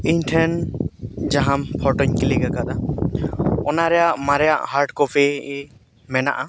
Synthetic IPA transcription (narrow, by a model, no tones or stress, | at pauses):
iɲʈʰɛn | d͡ʒaɦampʰɔʈɔɲkɛliɡakad̪a | ɔnaɾɛjaʔmaɾɛjaʔhaɾʈkɔpʰɛ | mɛna̰ʔa